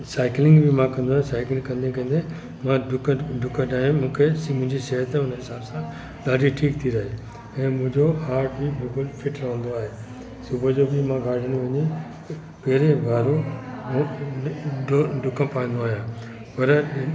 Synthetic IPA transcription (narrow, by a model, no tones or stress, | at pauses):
saːɪklɪ̃ŋɡbʱɪmãkɐ̃nd̪oaɦjẽsaːɪklɪ̃ŋɡkɐ̃nd̪ĩkɐ̃n̆d̪e | mãɖʊkəɖʊkəʈaːɦijõmũːkʰesmʊ̃ɦɪ̃ɲd͡ʑisɛɦət̪eʊnəɦɪsaːbsã | ɗ̪aːɖʱiʈʰiːkt̪ʰiɾɐɦe | ɛ̃ːmʊ̃ɦɪ̃ɲd͡ʑoaːɾʈbibɪlkʊlfɪʈɾɐɦə̃nd̪oaːɦeː | sʊbʱəd͡ʑobɪmãɡʱaːɖʱiəñʋɐɲe | peɦɾebʱaːɾõ | ɖʊkə̃paːĩːn̆d̪oaːɦijãː | pɐɾ